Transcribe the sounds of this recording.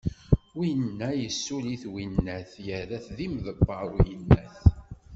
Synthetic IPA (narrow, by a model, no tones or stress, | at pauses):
winːæjəsːuliθwinːæθjəðæθðimðəbːɑɾˤujənːæθ